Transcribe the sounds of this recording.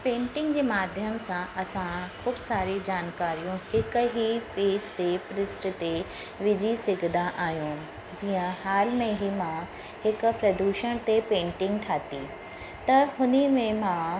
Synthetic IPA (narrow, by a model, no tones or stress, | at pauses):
pẽːɳʈɪ̃ŋɡd͡ʑeːmaːd̪ʱjəmsãʔɐsãkʰuːbsaːɾid͡ʑaːnkaːɾijũhɪkɦipeːst̪epɾɪsʈt̪e | ʋɪd͡ʑisɪɡʱd̪aʔaːɦjũ | d͡ʑiːə̃haːlmẽɦimã | hɪkʊ̆pɾɐd̪uːʃəɽ̃t̪epẽːɳʈɪ̃ŋɡʈʰaːt̪i | t̪ɐɦʊnəmẽmã